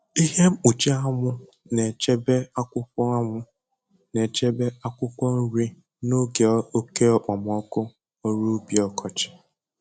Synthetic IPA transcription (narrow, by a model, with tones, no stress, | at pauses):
i˦ɦe˦m̩˦u˨t͡ʃe˦a˦ŋʊ˦ | ne˨t͡ʃe˦be˦a˦kʷʊ˦kʷɔ˦a˦ŋʊ˦ | ne˨t͡ʃe˦be˦a˦kʷʊ˦kʷɔ˦n̩˦ɾi˦ | no˦ɡe˨˦o˦ke˦ɔ˦k͡pa˨m˨ɔ˦kʊ˦ | o˦ɾu˦bi˨ɔ˦kʰɔ˨t͡ʃɪ̥˨